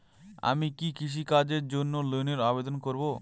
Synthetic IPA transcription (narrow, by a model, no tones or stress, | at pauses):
a̰mikikiʃ̬ikad͡ʑeɾd͡ʑonːolojneɾabed̪onkoɾbo